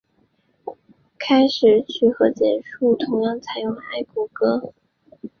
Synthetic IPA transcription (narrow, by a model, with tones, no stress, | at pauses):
kʰa˥ɪʂɻ̩˨˩t͡ɕʰy˥˩xɤ˧˥t͡ɕjɛ˨˩nʂu˥˩t̪ʰʊ˧˥ŋjɑ˥˩ŋt͡sʰa˨˩ɪjʊ˥˩ŋa˥˩ɪku˧˨˩kɤ˥